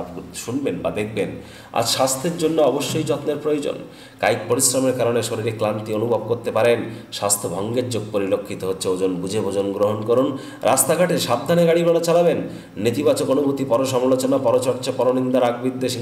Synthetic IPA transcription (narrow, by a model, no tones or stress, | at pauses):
ʃunbenbad̪ek̚ʰben | a̰d͡ʑʃast̪ʰeɾd͡ʑonːoɔboʃːojd͡ʑɔt̪neɾpɾojod͡ʑo̰n | ka̰jk̚poɾisɾameɾkaɾoneʃoɾiɾeklant̪ionubʱob̚koɾt̪epaɾen | ʃast̪ʰobʱɔŋɡeɾd͡ʑoɡ̚poɾilokʰːit̪oɦotːɕʰeod͡ʑonbud͡ʑʱebʱod͡ʑonɡɾoɦonkɔɾon | ɾʔa̰st̪aɡʱaʈeʃab̚d̪ʱaneɡaɽibaɽot͡ɕalaβenː | it̪ibat͡ɕokonubʱut̪ipɔɾoʃ̬ɔmlot͡ɕonapɔɾot͡ɕɔɾt͡ɕapɔɾonind̪aɾaɡbid̪ːeʃi